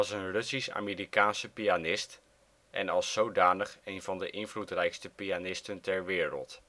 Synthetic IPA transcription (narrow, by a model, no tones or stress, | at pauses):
ɑsənrɵsisa̰ːmiːrikaːnsəpianɪst | ʔɛ̰nɑlˠsːowdaːnəχejnvɑndəʔɪnvlutrɛjkstəpianɪstəntɛɹʋɪːrə̰lˠt